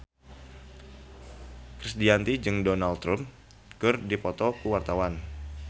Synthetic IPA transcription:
kɾisdiant̪id͡ʒɨŋdonalt̪ːɾum | kɨrdipɔt̪ɔkəwart̪awan

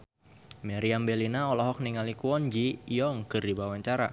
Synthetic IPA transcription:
maɾiambɛlinaɔlɔɦɔk̚niŋalikuɔnd͡ʒijɔŋkɨrdibawaɲt͡ʃaɾa̰

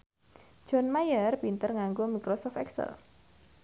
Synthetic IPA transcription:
ʒ̥ɔnmajərpint̪ərŋaŋɡomikɾɔsɔft̪ɛksə̰l

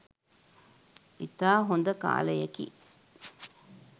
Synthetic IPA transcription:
it̪aːɦond̪ɐka̰ːlɐjɐkḭ

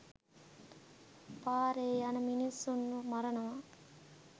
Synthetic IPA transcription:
paːɾeːjɐnɐminisunːumɐɾɐnaː

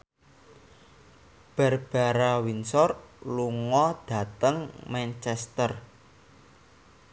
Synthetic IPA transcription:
b̥ɛ̤rb̥a̤ɾawinsɔrluŋɔd̪̥ä̤t̪əŋmɛnt͡ʃɛst̪ər

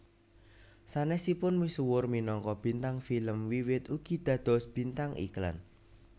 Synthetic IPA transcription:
sanɛsipʊnwisuwʊrminɔŋkɔb̥i̤nt̪aŋfiləmwiwɪt̪uɡ̥i̤d̪̥ä̤d̪̥ɔ̤sb̥i̤nt̪aŋḭkla̰n

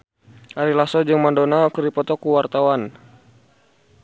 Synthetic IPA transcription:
ʔaɾilasɔd͡ʒɨŋmandɔnakəɾipɔt̪ɔkuwart̪awan

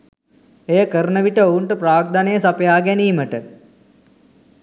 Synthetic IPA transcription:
ejəkəɾnəʋiʈəouɳʈəpraːɡ̚d̪anejəsapjaːɡeniːməʈə

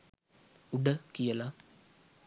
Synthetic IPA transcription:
uɖɐkijɐlɐ

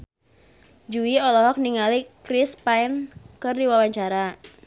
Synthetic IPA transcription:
d͡ʒuiɔlɔɦɔk̚niŋalikɾɪspaɪnkərdiwawaɲt͡ʃaɾa

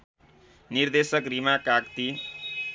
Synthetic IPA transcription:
nird̪esʌkrimakakt̪i

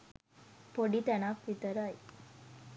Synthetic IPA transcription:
poɽiːt̪anakʋit̪əɾaj

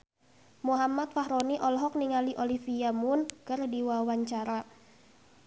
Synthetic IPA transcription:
muɦamat̪̚faɦɾoniʔɔlɦɔk̚niŋaliʔolifiamʊnkərdiwawaɲt͡ʃaɾa

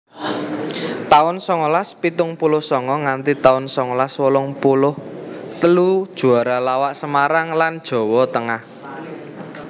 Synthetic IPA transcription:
t̪aʊnsɔŋolaspit̪ʊŋpulʊhsɔŋɔŋant̪it̪aʊnsɔŋolaswɔlɔŋpulʊht̪əlud̥ʒ̥ṳaɾalawaʔsəmaɾaŋland̥ʒ̥ɔ̤wɔt̪əŋah

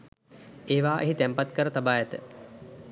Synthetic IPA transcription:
eːʋaːʔeɦit̪æmpat̪kəɾət̪abaːjɛt̪ə

